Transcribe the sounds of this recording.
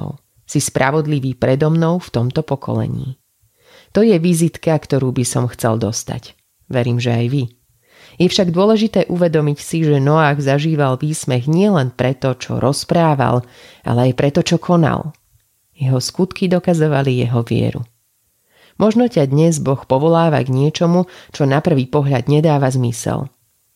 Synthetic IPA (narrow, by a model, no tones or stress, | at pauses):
ʊ | sispɾa̰ʋɔd̪liʋiːpɾɛd̪ɔmnɔʊft̪ɔmt̪ɔpɔkʰɔ̰lɛ̰ɲḭː | t̪ɔjɛʋizit̪kakt̪ɔɾuːbisɔmxt͡sɛld̪ɔst̪a̰c | ʋɛɾiːmʒɛajʋi | jɛfʃaɡd̪ʊɔlɛʒit̪ɛːʔuʋɛd̪ɔmicsiʒɛnɔaːɣzaʒiːʋalʋiːsmɛɣɲɪɛlɛnpɾɛt̪ɔt͡ʃɔ̰ɾɔspɾaːʋa̰lʔa̰lɛajpɾɛt̪ɔt͡ʃɔkʰɔna̰l | jɛɦɔskut̪kid̪ɔkazɔʋalijɛɦɔʋɪɛ̰ɾṵ | mʔɔʒnɔcad̪ɲɛzbɔxpɔʋɔlaːʋa̰ɡɲɪɛt͡ʃɔmut͡ʃɔnapr̩ʋiːpɔɦʎad̪ɲɛd̪aːʋazmisɛ̰l